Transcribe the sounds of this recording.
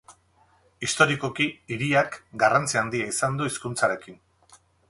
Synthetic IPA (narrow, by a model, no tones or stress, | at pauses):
ist̪o̞ɾiko̞kiiɾiakɡarant͡siand̪iaisand̪uiskunt͡saɾe̞kin